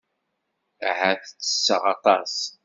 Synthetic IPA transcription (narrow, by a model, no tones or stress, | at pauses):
ʕaθt͡sːə̥sːəʁɑt̪ˤɑs